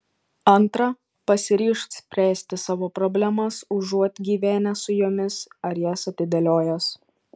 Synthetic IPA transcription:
ɐnˑt̪ɾɐ | pɐsʲɪɾʲiːʃksʲpʲɾʲæːsʲt̪ʲɪsɑːʋoːpɾɔbʲlʲæmɐsʊʒuɔt̪ʲɡʲiːʋʲæːnʲɛsʊjoːmʲɪsɐɾjɛsɐt̪ʲɪd̪ʲɐlʲoːjɛs

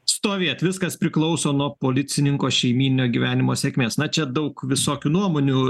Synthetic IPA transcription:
st̪oːʋʲeːt̪ʲʋʲɪskɐspʲɾʲɪklˠɐʊsoːnuɔpoːlʲɪt̪sʲɪnʲɪŋkoːʃʲɛɪmʲiːnʲnʲoːɡʲiʋʲæːnʲɪmoːsʲeːkʲmʲeːsnɐt͡ʃʲɛd̪ɐʊkʋʲɪsoːkʲuːnuɔmoːnʲuː

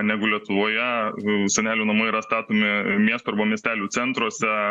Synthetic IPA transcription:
nʲæːɡʊlʲiɛt̪ʊʋoːjɛsʲɛnʲæːlʲuːnɐmoːiɾɐst̪ɑːt̪oːmʲɪmʲiɛst̪oːɐɾbɐmʲiɛsʲt̪ʲæːlʲuːt͡s̪ʲɛnt̪ɾuɔsʲɛ

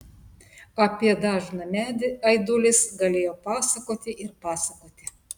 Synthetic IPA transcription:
ɐpʲiɛd̪ɑːʒnɐmʲæɐɪd̪ʊlʲɪsɡɐlʲeːjoːpɑːsɐkoːt̪ʲɪʔɪɾpɑːsɐkoːt̪ʲɪ

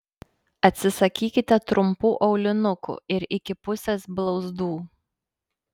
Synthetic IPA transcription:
ɐt̪ʲsʲɪsɐkʲiːkʲɪt̪ʲɛt̪ɾʊmpuːʔɐʊlʲɪnʊkʊ̰ɪɾɪkʲɪpʊsʲesblˠɒʊzd̪uː

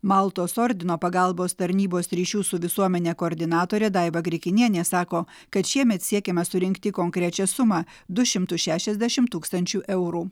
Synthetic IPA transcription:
mɑlˠt̪oːsɔɾʲd̪ʲɪnoːpɐɡɐlˠboːst̪ɐɾʲnʲiːboːsɾʲiːʃʲuːsʊʋʲɪsuɔmʲɛnʲeːkoːɾʲd̪ʲɪnɑːt̪oːɾʲeːd̪ɑɪbɐɡɾʲɪkʲɪnʲiɛnʲeːsɑːkoː | kɐt̪ʃʲiɛmʲɛt̪sʲiɛkʲɛmɐsʊɾʲɪŋʲkt̪ʲɪkoŋkɾʲɛt͡ʃʲɛsʊmɑː | d̪ʊʃʲɪmt̪ʊʃʲæːʃʲɛzʲd̪ʲæʃʲɪmt̪uːkst̪ɐnʲt͡ʃʲuːʔɛʊɾuː

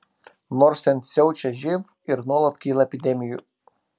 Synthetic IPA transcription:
nɔɾsʲt̪ʲɛnʲsʲɛʊt͡ʃʲɛʒʲɪʋ | ɪɾnuɔlˠɐt̪kʲiːlˠɐɛpʲɪd̪ʲɛmʲɪjṵˑ

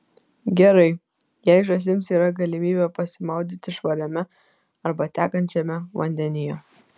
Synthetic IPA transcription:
ɡʲɛɾɐɪ | jɛɪʒɐs̬ʲɪmsiːɾɐɡɐlʲɪmʲiːbʲɛpɐsʲɪmɐʊd̪ʲit̪ʲɪʃʋɐɾʲɛmʲɛ | ɐɾbɐt̪ʲæːkɐnʲt͡ʃʲɛmʲɛʋɐ̰nʲd̪ʲɛnʲɪjɛ

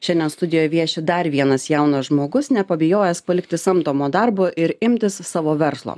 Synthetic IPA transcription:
ʃʲɛnd̪ʲɛnst̪ʊd̪ʲɪjoːjɛʋʲiɛʃʲɪd̪ɐɾʋʲiɛnɐsjɛʊnɐʒmoːɡʊsnʲɛpɐbʲɛjoːjɛspɐlʲɪkt̪ʲɪsɐmt̪oːmoːd̪ɐɾboːʔɪɾɪmʲt̪ʲɪssɑːʋoːʋʲɛɾslˠo̰ː

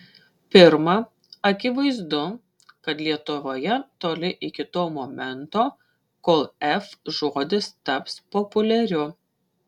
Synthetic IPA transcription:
pʲɪɾmɐ | ɐkʲɪʋɐɪzd̪ʊ | kɐt̪lʲiɛt̪ʊʋoːjɛt̪oːlʲɪʔɪkʲɪt̪oːmoːmʲɛnt̪oː | koːlˠɛfʒuɔːd̪ʲɪst̪ɐpspopʊlʲɛɾʲʊ

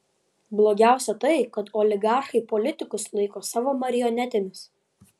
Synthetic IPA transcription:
blˠoːɡʲæˑʊsʲɛt̪ɐɪkɐt̪ɔlʲɪɡɑˑɾxɐɪpɔlʲɪt̪ʲɪkʊslˠɐɪkoːsɑːʋoːmɐɾʲɪjɔnʲɛt̪ʲɪnʲɪs

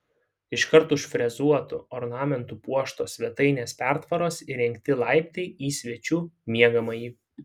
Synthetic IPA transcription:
ɪʃkɐɾt̪ʊʃʲfʲɾʲɛzuɔt̪ʊ̰ɔɾnɑːmʲɛnt̪upuɔʃt̪oːsʲʋʲɛt̪ɐɪnʲeːspʲæˑɾt̪ʋɐɾoːsiɾʲɛŋʲkʲt̪ʲɪlˠɑˑɪpʲt̪ʲɛɪiːsʲʋʲɛt͡ʃʲuːmʲiɛɡɐmɐjiː

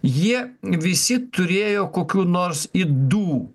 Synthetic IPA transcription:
jiɛʋʲɪsʲɪt̪ʊɾʲeːjoːkoːkʲuːnoːɾsid̪uː

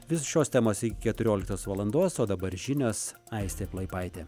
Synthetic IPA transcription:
ʋʲɪsoʃʲoːst̪ʲɛːmoːsɪkʲɪ̥kʲɛt̪ʊɾʲoːlʲɪkt̪oːsʋɐlˠɐnd̪oːsoːd̪ɐbɐɾʒʲɪnʲoːs | ɐɪsʲt̪ʲeːplˠɐɪpɐɪt̪ʲeː

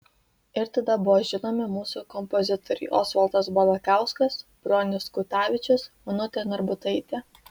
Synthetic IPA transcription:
ɪɾt̪ɐd̪ɐbʊʋɔːʒʲɪnoːmʲɪmuːsukɔmpɔzʲɪt̪ɔɾʲɛ̰ːʔɔsʋɐlˠt̪ɐsbɐlˠɐkɑˑʊskɐsb̥ɾonʲɪskʊt̪ɑːʋʲɪt͡ʃʲʊsmʊnʊt̪ʲenɔɾbʊt̪ɐɪt̪ʲeː

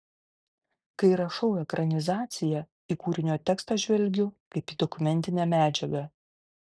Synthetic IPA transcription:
kɐɪɾɐʃɐʊɛkɾʔɐnʲɪzɑːt̪sʲɪjɛ | iːkuːɾʲɪnʲoːt̪ʲɛkst̪ɐʒʲʋʲɛlʲɡʲʊkɐɪpiːd̪ɔkʊmʲɛnʲt̪ʲɪnʲæmʲæːd͡ʒʲɛɡɐ

